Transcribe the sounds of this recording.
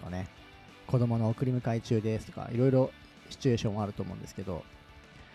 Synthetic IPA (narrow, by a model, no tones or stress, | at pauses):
o̰ne̞ | ko̞d̪o̞mo̞no̞ːkɯ̟ɾʲimɯ̟kait͡ɕɨːd̪e̞sɨ̥t̪o̞̥ka̰ʔḭɾo̞iɾo̞ | ɕi̥t͡ɕɨe̞ːɕõːoaɾɯ̟t̪o̞ːmõnd̪e̞sɨ̥ke̞d̪o̞̰